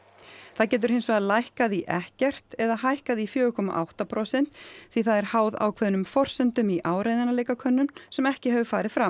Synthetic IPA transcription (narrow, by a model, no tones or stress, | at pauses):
θaðcɛːt̪̬ʏɾ̥hejnsvɛːðalajhkaðiʔɛ̰hcɛr̥t̪ɛðaɦajhkaðifjœːʏkʰɔma̰ʔawht̪apʰɾɔsɛn̥t̪θiθaðɛɾ̥haːwða̰wkʰvɛːðnʏmfɔr̥sɛnt̪ʏmiʔaːwɾeːjðanaleːjkakʰœnːʏmsɛmɛhcɪhɛvʏfaːɾɪðfɾam